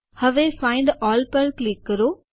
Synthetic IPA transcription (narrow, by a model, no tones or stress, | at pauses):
hɐʋefãːɪ̃ɳɖɔːlpɐlklɪkːɐɾo